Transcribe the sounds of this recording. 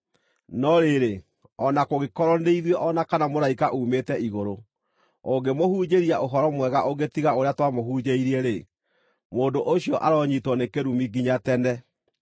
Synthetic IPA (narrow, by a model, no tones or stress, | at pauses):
nɔɾeɾe | ɔnakoɣekɔɾɔneiðwɛʔɔnakanamoɾaikaʔuːmetɛʔiɣoɾo | oɡemohuːd͡ʒeɾiaʔoɦɔɾɔmwɛɣaʔoɡetiɣaoɾeatwamoɦuːd͡ʑeiɾiɛɾe | moːndoʔoɕiɔʔaɾɔɲitwɔnekeɾumiɡiɲatɛnɛ